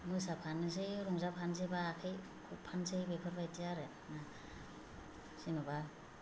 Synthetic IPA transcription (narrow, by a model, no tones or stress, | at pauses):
mujsapʰanːɯs̬ejɾɔŋzapʰans̬ʰebaːkʰaj | kʰupʰansejbepʰɯɾbajtijaɾe | na | sinuba